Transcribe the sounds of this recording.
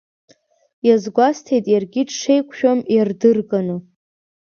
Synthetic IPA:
jazɡʷastʰejtʼjarɡʲɪʈ͡ʂʰʂejkʷʰʃᶣomjardɨrɡʼanɨ

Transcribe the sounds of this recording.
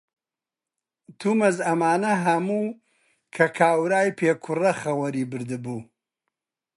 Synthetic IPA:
t̪ʰumɐzɐmaːnɐɦɐmuː | kʰɐkʰaːwɾaːjpʰeːkʰʊrɐχɐwɐɾiːbɨɾd̪ɨbuː

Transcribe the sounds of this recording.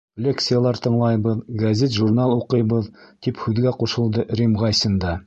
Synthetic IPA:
klʲek̪sɨjalˠɑɾt̪ɤ̆ɴlˠɑjbɤðɡɐzʲet̪ʒurnalˠuqɤ̆jbɤðt̪iphʉðɡæquʃɤ̆lˠd̪ɤɾʲimʁɑjsɤ̆nd̪ɑ

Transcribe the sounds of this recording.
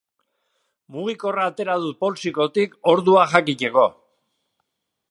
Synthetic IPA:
muɣ̞iko̞raːt̪e̞ɾað̞upo̞lsiko̞t̪iko̞ɾðuaʝakiceko̞

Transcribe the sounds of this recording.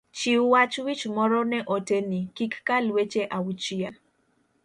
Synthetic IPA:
t͡ʃiuwat͡ʃwit͡ʃmɔɾɔnɛʔotenikikːalwet͡ʃeʔawut͡ʃia

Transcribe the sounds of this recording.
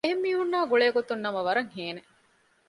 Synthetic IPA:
eɦemːiːɦunːaːɡoɭeːɡot̪unːɐmɐʋɐɾɐŋheːne

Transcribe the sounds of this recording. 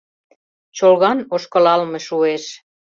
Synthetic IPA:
t͡ɕolɣɑnoʃkə̆lɑlmeʃueʃ

